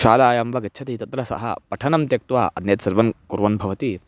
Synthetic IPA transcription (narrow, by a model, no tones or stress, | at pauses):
ʃaːlaːjɐmʋɐɡɐtːt͡ʃʰɐt̪it̪ɐt̪ɾɐsɐ̰ɦɐ̰pɐʈʰɐnɐmt̪jɐk̚t̪ʋaːʔɐd̪njɐt̪sɐɾʋɐnkuɾʋɐnbʱɐʋɐt̪i